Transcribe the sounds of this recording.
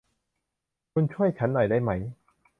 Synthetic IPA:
kʰu˧nt͡ɕʰu˥˩əjt͡ɕʰa˦˥nːɔ˨˩jda˥˩jma˦˥j

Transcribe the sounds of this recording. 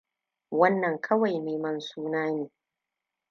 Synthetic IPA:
wɐ˦nːɐ˨ŋkʰɐ˦wa˨jneː˨mɐ˦nsuː˦naː˦neː˨

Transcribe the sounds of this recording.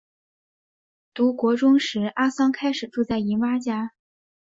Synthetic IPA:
t̪u˧˥kwɔ˧˥ʈ͡ʂʊ˥ŋʂɻ̩˧˥ʔa˥sɑ˥ŋkʰa˥ɪʂɻ̩˨˩ʈ͡ʂu˥˧t͡sa˥˩ɪi˧˥nwa˥t͡ɕja˥

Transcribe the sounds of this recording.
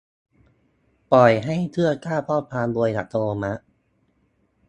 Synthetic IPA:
pɔ˨˩jɦa˥˩jt̪ʰɯ˥˩ɐkaː˥˩pʰɔː˥˩pʰaː˧nbu˧əjd̪a̰˨˩t̪ʰo˧oː˧ma˦˥ʔ

